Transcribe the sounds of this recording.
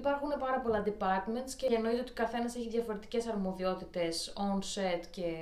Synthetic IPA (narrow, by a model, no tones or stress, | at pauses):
ipɐɾxune̞pɐɾɐpo̞lɐnd̪ipɐɾt̪me̞nt̪sceeno̞it̪eo̞t̪ikɐθe̞nɐse̞çiðʝɐfo̞ɾe̞t̪i̥ce̞sɐɾmo̞ðio̞t̪it̪e̞sonset̪ce̞